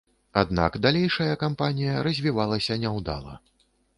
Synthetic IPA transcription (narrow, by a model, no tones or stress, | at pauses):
ad̪na̰kd̪alʲejʂɐjɐkampanʲijɐɾɐzʲvʲivalˠɐsʲɐnʲɛwd̪a̰lˠɐ̰